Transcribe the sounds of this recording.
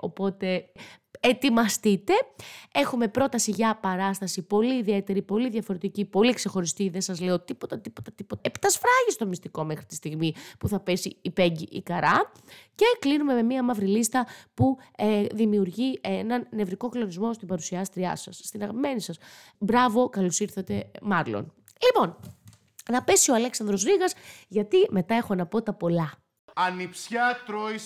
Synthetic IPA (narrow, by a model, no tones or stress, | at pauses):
o̞po̞t̪e̞ | et̪imɐst̪it̪e̞e̞xume̞pɾo̞t̪ɐsiʝɐpɐɾɐst̪ɐsipo̞liːðie̞t̪e̞ɾipo̞liðʝɐfo̞ɾe̞t̪icipo̞liekse̞xo̞ɾist̪iðesɐzle̞o̞t̪ipo̞t̪ɐt̪ipo̞t̪ɐt̪ipo̞t̪ɐept̪ɐsfɾɐʝist̪o̞mist̪iko̞me̞xɾit̪i̥st̪iɣmipuθɐpesiːpe̞ɲɟiʔikɐɾɐ | ce̞klinume̞memiɐmɐvɾilist̪ɐpueðimiuɾʝienɐnːe̞vɾiko̞klo̞nizmo̞st̪ibɐɾusiɐst̪ɾiɐ̰sɐsːt̪inɐɣɐpime̞nisɐs | bɾɐvo̞kɐlo̞siɾθɐt̪e̞mɐlo̰n | lipo̞n | nɐpe̞sio̞ɐle̞ksɐnd̪ɾo̞zɾiɣɐsʝɐt̪ime̞t̪ɐe̞xo̞nɐpo̞t̪ɐpo̞lɐ | ɐnipsçɐt̪ɾoi